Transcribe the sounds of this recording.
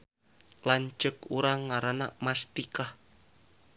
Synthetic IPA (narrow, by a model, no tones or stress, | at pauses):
laɲt͡ʃəkuɾaŋːaɾanamast̪ikah